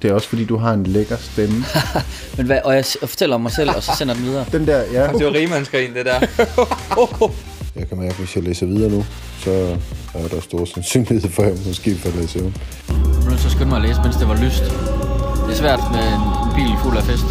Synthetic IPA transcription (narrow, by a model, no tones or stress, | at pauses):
d̥e̝æɐɒ̽sfɒdḭːd̥uɦɑ̈e̝nleɡ̥ɐsb̥en̩ | menʋæʔɒ̽jäɪfɒ̥t͡sʰel̰ɐmːɑ̈ɪsel̰ɒ̽sɒ̽sen̰ɐd̥en̩mið̞ˠɐːd̥end̥æɐ̰jæd̥e̝ʋɑʁiːmænsɡ̥ʁiːnd̥e̝d̥æɐ̰ | jɑ̈ɪkʰæmæɐɡ̥əʋe̝själeːsɐʋið̞ˠɐːnu | sɒ̽æɐɾ̥ɑsd̥o̝ɐsensyːnlihð̩̰ˠfɒemmɔ̽sɡ̥e̝̰ːfɒlḛːsəom | nosɒsɡ̥ød̥mɑ̈leːsəmensd̥e̝ʋɑ̈lysd̥ | d̥esʋæɐ̰d̥menenb̥ḭːl̩fulæfesd̥